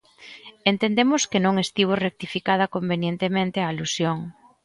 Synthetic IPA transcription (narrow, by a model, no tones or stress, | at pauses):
ent̪end̪emʊskenõŋest̪iβ̞orek̚t̪ifikað̞ɐkombenjent̪emẽnt̪eaːlusjoŋ